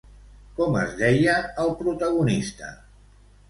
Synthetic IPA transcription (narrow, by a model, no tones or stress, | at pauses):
kɔmə̰zðɛjəːlˠpɾut̪əɣunist̪ə̰